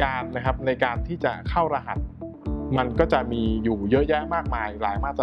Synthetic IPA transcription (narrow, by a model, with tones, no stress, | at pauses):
kaː˧nːa˦˥kʰa˦˥p̚na˧jkaː˧nt̪ʰiː˥˩t͡ɕa˨˩kʰa˥˩wɾa˧ɦa˨˩t̪̚ | ma˧nkɔː˥˩t͡ɕa˨˩ʔmiː˧juː˨˩jɤ˦˥ʔjɛː˥˩maː˥˩k̚maː˧jɾaː˩˦jmaː˥˩t̪ː